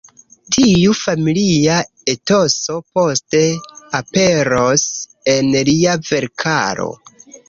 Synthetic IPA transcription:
tʰijufamilia | eto̞so̞po̞ste̞ape̞ɾos | e̞nliave̞ɾkʰa̰ɾo̞̰

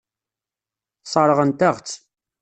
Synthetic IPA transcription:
sˤɑɾˤəʁənt̪æʁt͡sː

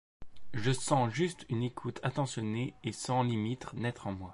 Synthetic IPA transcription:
ʒəsɑ̃ʒyst̪ynekʰut̪ʰat̪ɑ̃sjɔneːsɑ̃limit̪χnɛt̪χɑ̃mwa

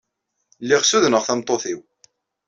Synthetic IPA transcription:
lːiʁsuðnəʁθæmt̪ˤːoθiw

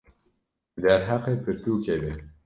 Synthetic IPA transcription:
d̪æɾɦaqepʰɨɾt̪uːkʰebe

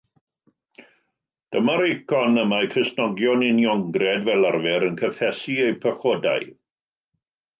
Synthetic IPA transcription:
d̥əmaɾejkʰɔnəmakʰrəsnɔɡjɔnɪnjɔŋɡrɛdvɛlˠarvɛɾənkʰəθɛsiejpʰəχɔda̰j

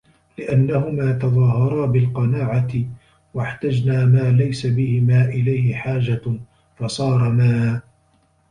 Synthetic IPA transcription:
lɪʔanːahʊmaːt̪ɑðˤɑːɦɑɾˤɑːbɪlqɑnaːʕat̪ɪ | waħt̪ad͡ʒnaːmaːlajsabɪhɪmaːʔɪlajhɪħaːd͡ʒa | fɑsˤɑːɾˤɑmaː

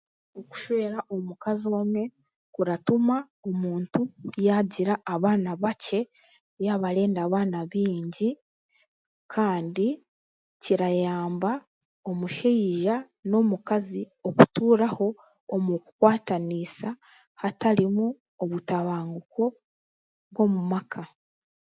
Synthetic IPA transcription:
oku̥ʃe̞ːɾaʔo̞mukazio̞ːmwe̞ | kuɾatuma | omuːntujaɟiɾaːβaːnaβace̞ | βjaβaɾe̞ːndaːβaːnaβiːɲɟi | kʰaːndi | ciɾajaːmba | o̞muʃeiʒa | no̞mukazi | o̞kutuːɾaho̞ː | muku̥kwaːtanisa | hataɾimu | oβutaβaːŋɡuko̞ | βwo̞mumakʰa

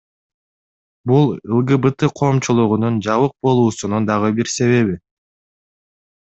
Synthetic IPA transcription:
bulˠɯlˠɡɯbɯt̪ɨqʰo̞ːmt͡ʃulˠuʁunund͡ʒɑβɯq̚bo̞lˠuːsunund̪ɑʁɯbiɾse̞βe̞βi

